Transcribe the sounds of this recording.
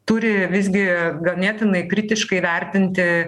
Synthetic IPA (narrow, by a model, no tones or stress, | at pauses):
t̪ʊɾʲɪʋʲɪsʲɡʲɪɡɐlˠnʲɛːt̪ʲɪnɐɪkɾʲɪt̪ʲɪʃkɐɪʋʲɛɾʲt̪ʲɪnʲt̪ʲɪ